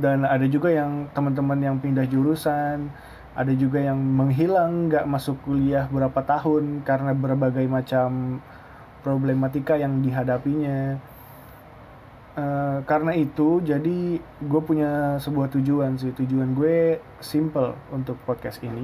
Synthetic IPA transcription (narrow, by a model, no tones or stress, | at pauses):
danadad͡ʒuɡajaŋt̪əmənt̪̬əmənjaŋpindahd͡ʒuɾusan | ʔa̰dad͡ʒuɡajaŋməŋɦilaŋɡaʔmasʊkuliaɦbəɾapat̪aɦʊnkaɾənabərbaɡajmat͡ʃam | pɾoblemat̪ikajaŋdiɦadapiɲa | əkaɾənait̪ud͡ʒadiɡuɛpuɲasəbuaht̪ud͡ʒuans̬ɪht̪ud͡ʒuanɡue | simpəlunt̪ʊk̚pɔd̚kɛsini